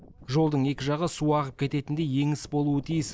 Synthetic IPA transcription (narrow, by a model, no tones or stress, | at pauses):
ʒo̞lˠd̪əɴe̞kʲɪʒɑʁəsuɑʁəp̚kʲʰe̞t̪e̞t̪ɪnd̪eje̞ŋɪsbo̞lˠuət̪ʰijɪs